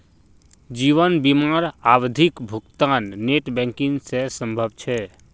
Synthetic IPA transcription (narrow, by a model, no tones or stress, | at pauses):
d͡ʒiːʋənbimaːɾawd̪ʱikbʱʊkt̪aːnːeʈbɛ̃ːŋkiŋsesə̃mbʱəbt͡ʃʰɛ